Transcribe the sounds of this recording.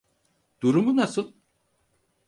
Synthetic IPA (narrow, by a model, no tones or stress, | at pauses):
d̪̥uɾumunasɯlˠ